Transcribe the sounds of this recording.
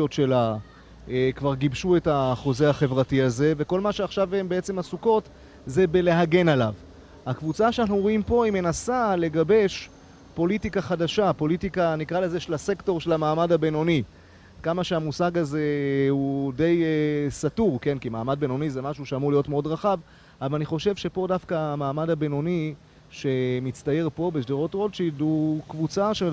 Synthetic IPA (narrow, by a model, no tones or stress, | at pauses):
otʃe̞la | ekvaʁɡibʃue̞taχo̞zeaχe̞vʁatiaze̞ve̞ko̞lmaʃeaχʃavembeet͡se̞masuko̞t | ze̞be̞le̞ɦaɡe̞nalav | hakvut͡saʃeanaχnuʁoimpo̞ime̞nasale̞ɡabe̞ʃ | po̞litikaχadaʃapo̞litikanikʁaleze̞ʃelase̞kto̞ʁʃelamaːmadabeno̞ni | kamaʃeamusaɡaze̞hude̞jsatuʁke̞nkimaːmad̚be̞no̞nizemaʃuʃeamuʁlijo̞tmeo̞dʁaχav | avvalaniχo̞ʃe̞vʃe̞po̞dafkaːmaːmadabeno̞ni | ʃe̞mit͡st̪aje̞ʁpo̞beʃdeʁo̞tʁo̞dt͡ʃidukvut͡saʃe